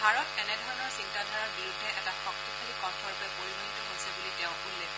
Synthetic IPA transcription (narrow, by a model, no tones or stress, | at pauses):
bʱaɹɔtɛnɛdʱɔɹɔnɔɹsintadʱaɹɔɹbiɹudʱːɛʔɛtaxɔktikʰalikɔntʰɔɹpɛpoɹibɔntɔɦojsɛbuliteʊ̃unlɛ